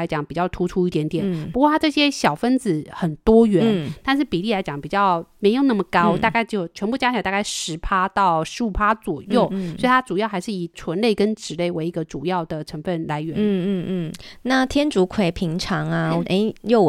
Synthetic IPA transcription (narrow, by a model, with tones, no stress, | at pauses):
a˧˥t͡ɕjɑ˨˧˩ŋpi˨˩t͡ɕjɑ˥˩ʊt̪ʰu˧˥ʈ͡ʂʰu˥i˥˩t̪jɛ˧˥nt̪jɛ˨˩npu˧˥kwɔ˥˩t̪ʰa˥ʈ͡ʂɤ˥˩ɕjɛ˥ɕjɑ˨˩ʊfə˥nd͡zɹ̩˨˩˦xə˨˩nt̪wɔ˥ɥɛ˧˥n˥˩t̪a˥˧nʂ̬ɻ̩˥˩pi˨˩li˥˩la˧˥ɪt͡ɕjɑ˨˩˦ŋpi˨˩t͡ɕjɑ˥˩ʊme˧˥ɪjo˥˩ʊna˥˩mə˩kɑ˥ʊa˥˧ka˥˧ɪt͡ɕo˥˩ʊt͡ɕʰɥɛ˧˥npu˥˧˩t͡ɕja˥t͡ɕʰjt̪a˥˧˩ka˥˩ɪʂɻ̩˧˥pʰa˥t̪ɑ˥˩ʊʂɻ̩˧˥u˨˩pʰa˥t͡swɔ˨˩jo˥˩ʊsɔ˧˥i˨˩t̪ʰa˥ʈ͡ʂu˨˩jɑ˥˩ʊxa˧˥ɪʂɻ̩˥˩i˨˩t͡sʰwə˧˥nle˥˩ɪkə˥nʈ͡ʂɻ̩˨˩le˥˩ɪwe˧˥ɪi˧˥ɡə˧ʈ͡ʂu˨˩jɑ˥˩ʊd̪ə˩ʈ͡ʂʰə˧˥ŋfə˥˩nla˧˥ɪɥɛ˧˥n̩˥˩˥na˥˩t̪ʰjɛ˥nʈ͡ʂu˧˥kʰwe˨˧˩ɪpʰi˧˥ŋʈ͡ʂʰɑ˧˥ŋa˧˨ʔe˧˥jo˥˩ʊ